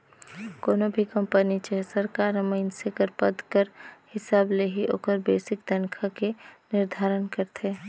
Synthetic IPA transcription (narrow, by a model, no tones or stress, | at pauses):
koːnobʱikə̃mpənit͡ʃesəɾkaːɾəməɪnsekəɾpəd̪kəɾhɪsaːbleɦiʔo̰ːkəɾbeːsɪkd̪ɐnkʰakenɪɾd̪ʱaːɾənkəɾt̪ʰeː